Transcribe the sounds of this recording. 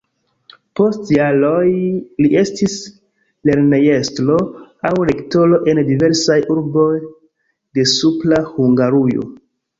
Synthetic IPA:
po̞stjalojliʔe̞stis | le̞ɾneje̞stlo̞awɾe̞kto̞lo̞ʔe̞ndive̞ɾsajʔuɾbo̞j | de̞suplahuŋɡaɾujo̰

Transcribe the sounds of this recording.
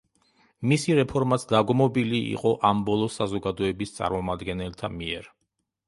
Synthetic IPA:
misiɾɛpʰɔɾmat̪sʰd̪aɡmɔbiliḭqʼɔʔambɔlˠɔsazɔɡad̪ɔɛbist̪sʼa̰ɾmɔmad̪ɡɛnɛlˠt̪ʰamiɛɾ

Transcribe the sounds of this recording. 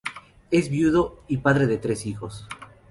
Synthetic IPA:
e̞zβjuðo̞ipaðɾe̞ðet̪ɾe̞sixos

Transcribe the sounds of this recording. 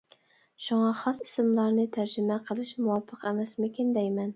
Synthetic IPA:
ʃuŋɑχɑsi̥sɪmlˠɑɾnɨt̪ʰæɾd͡ʒɪmɛqʰəlˠɨʃmuwɑpʰːəqɛmɛsmɪkʲind̪ɛjmɛn

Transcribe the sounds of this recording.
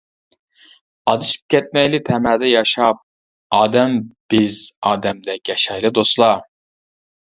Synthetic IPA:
ɑd̪ɨʃi̥p̚kʲʰɛt̪̚mɛjlɪt̪ʰɛmæːd̪ɛjɑʃɑp̚ | ɑːd̪ɛmb̥izɑːd̪ɛmd̪ɛkʲɛʃɑjlˠɨd̪oslˠɑ

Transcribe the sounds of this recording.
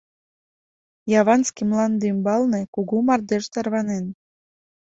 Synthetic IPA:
jɑβɑnskimlɑnd̪ymbɑlnekuɣumɑrd̪eʃt̪ɑrβɑnen

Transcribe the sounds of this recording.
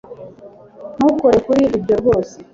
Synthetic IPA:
nukoɾekuɾiɾibɟoɾɡo̞ːse

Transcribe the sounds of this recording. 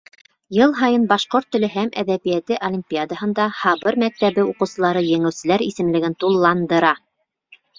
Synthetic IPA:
jɤlˠɦɑjɤnbɑʃqoɾt̪ːɵ̆lɘɦæmʔæ̰ðæβijæt̪ɘʔolʲimʲpʲiad̪ahɤ̆nd̪ɑhɑβɤɾmæk̚t̪æβɘuqɤ̆wsɤ̆lˠɑɾɤjɘ̆ŋɘ̆wsɘ̆læɾḭsɘ̆mlɘ̆ɡɘnt̪ulˠːɑnd̪ɤ̆ɾɑ

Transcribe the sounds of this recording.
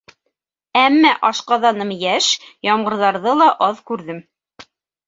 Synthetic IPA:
æmːæʔɑʃqɑðɑnɤmjæʃjɑɴɢɤ̆ɾðɑɾðɤlˠɑʔɑðkʉɾðɘm

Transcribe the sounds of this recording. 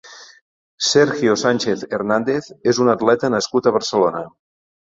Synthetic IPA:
sɛɾxjosanʲt͡ʃeθernand̪eθezunət̪lɛt̪ənəskut̪əβ̞əɾsəlonə

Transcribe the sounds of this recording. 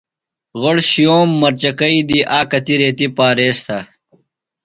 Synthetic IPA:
ɣoɽɕijoːmːɐɾt͡ɕɐkɐid̪iʔaːkɐt̪iɾeːt̪ipaːɾeːst̪ʰɐ

